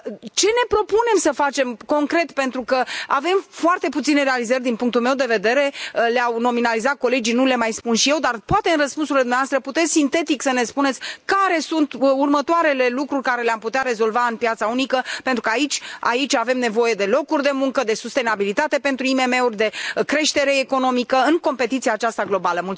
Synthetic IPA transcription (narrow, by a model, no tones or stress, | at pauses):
t͡ʃe̞ne̞pɾo̞pune̞msəfat͡ʃe̞mko̞ŋkɾe̞t̪pe̞nt̪ɾukəave̞mfoart̪e̞put̪sine̞ɾealizərʲd̪inpuŋk̚t̪ulme̞wd̪eve̞d̪e̞ɾe̞leawno̞minalizat̪̚ko̞le̞d͡ʒinule̞majspunʃije̞wd̪arpoat̪e̞ɨnrəspunsuɾiled̪umneavast̪ɾəput̪et̪sʲsint̪e̞t̪iksəne̞spune̞t̪sʲkaɾe̞sunt̪urmət̪oaɾe̞le̞lukɾurʲkaɾe̞leamput̪eaɾe̞zo̞lvaɨnpjat̪saunikəpent̪ɾukəait͡ʃʲa̰it͡ʃʲave̞mne̞vo̞je̞d̪e̞lo̞kurʲd̪e̞muŋkəd̪e̞sust̪e̞nabilit̪at̪e̞pe̞nt̪ɾuime̞me̞urʲd̪e̞kɾe̞ʃt̪e̞ɾe̞ːko̞no̞mikəɨnko̞mpe̞t̪it̪siaːt͡ʃast̪aɡlo̞baləmult